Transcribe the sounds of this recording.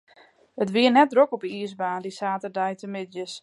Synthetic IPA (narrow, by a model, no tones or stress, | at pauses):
ətʋiərnɛt̚drokɔpəiəsbaːndisaːtərdɛjtəmɪdjəs